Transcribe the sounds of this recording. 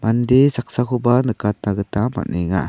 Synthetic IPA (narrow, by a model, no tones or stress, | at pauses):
mandesak̚sakubanəkat̪aɡət̪ama̰niŋa̰